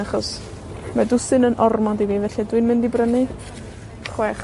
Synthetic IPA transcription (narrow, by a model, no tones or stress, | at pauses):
aχɔs | madʊsɨnənʔɔrmɔdiviːvɛɬidwɨnmɪndibrənɨ | χwɛχ